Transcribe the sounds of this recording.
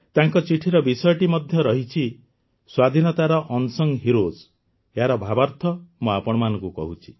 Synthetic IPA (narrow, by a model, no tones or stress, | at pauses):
t̪aŋkɔt͡ʃiʈʰiɾɔbisɔjɔʈimɔd̪ʱjɔɾɔɦit͡ʃʰi | swad̪ʱinɔt̪aɾɔʔɔnsɔŋɦiɾoz | eɦaɾɔbʱabaɾt̪ʰɔmuapɔɽ̃ɔmanɔŋkukɔ̰ɦut͡ʃʰi̥